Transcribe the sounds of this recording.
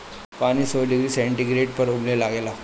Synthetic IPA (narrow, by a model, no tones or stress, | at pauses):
pañiːsoɖiɡɾiːseɳʈiɡɾeʈ̚pəɾoblelaɡela